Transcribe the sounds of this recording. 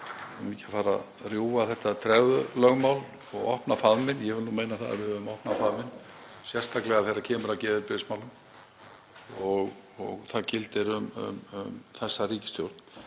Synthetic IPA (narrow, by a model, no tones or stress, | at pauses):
miːcafaːɾa | rjuːaθɛht̪ːat̪ʰɾɛɣðʏlœɣmawl | ɔɣɔ̰hpnafaðmɪnjɛɣvʏlnuːmeːjnaθa̰ð̰vɪðʏmɔhpnafaðmɪnsjɛr̥st̪ʰaklɛɣaθejɾːacʰɛːmʏɾacɛːðɪɾpɪsmawlʏm | ɔɣ | ɔɣθacɪlt̪ɪɾʏmʏ̰mʏmθɛsːaɾiːcɪ̥st̪jowɾt̪n̥